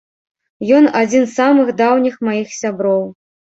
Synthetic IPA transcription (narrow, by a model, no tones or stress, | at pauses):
jɔnad͡zʲinsamɨxd̪awnʲixmajixsʲabɾɔw